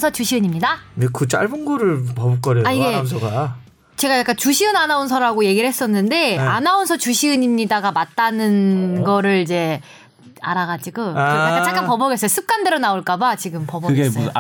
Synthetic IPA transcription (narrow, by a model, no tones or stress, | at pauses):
sʰʌt͡ɕuɕʰiɯɲimɲidanekɯt͡ɕ͈a̰ɭbɯnɡuɾɯɭpʌbuk͈ʌɾjeaiɡe̞ms̬ʰoɡa | t͡ɕe̞ɡajak͈ant͡ɕuɕʰiɯnanauns̬ʰʌɾaɡoje̞ɡiɾɯɭhes͈ʌnːɯnde̞anaonsʰʌt͡ɕuɕʰiɯɲimɲidaɡamat̚t͈anɯnɡʌɾɯɭid͡ʑe̞ | a̰ɾaɣad͡ʑiɡoaat͡ɕ͈ak͈ampʌbʌɡes͈ʌjs͈ʰɯp̚k͈ande̞ɾonaoɭk͈abat͡ɕiɡɯmpʌbʌkɯɡe